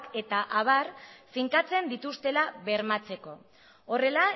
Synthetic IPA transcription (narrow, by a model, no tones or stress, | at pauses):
ke̞t̪aʔaβ̞arfiŋkat͡se̞nd̪it̪ust̪e̞laβe̞ɾmat͡se̞ko̞ | ore̞la